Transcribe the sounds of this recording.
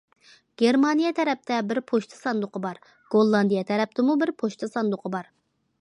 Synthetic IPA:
ɡ̥ʲeɾmɑnijɛt̪ʰɛɾɛp̚t̪ʰɛbɪɾpʰoʃt̪ʰɑ̥sɑnd̪ʊqʰəbɑɾ | ɡ̥olˠːɑnd̪ijɛt̪ʰɛɾɛp̚t̪ʰɪmubɪɾpʰoʃt̪ʰɑsɑnd̪ʊqʰəbɑɾ

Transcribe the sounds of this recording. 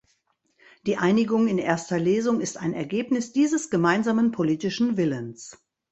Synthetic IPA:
d̥iːʔaɪnɪɡʊŋɪnʔeːɐstɐleːzʊŋɪstaɪnɛɐɡeːpnɪsd̥iːzəsɡ̥əmaɪnzaːmənpʰoliːtɪʃn̩vɪləns

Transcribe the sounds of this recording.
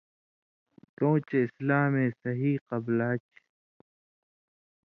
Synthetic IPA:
t̪õːt͡ɕeɪslaːmẽːsɐɦiːqɐblaːt͡ɕ

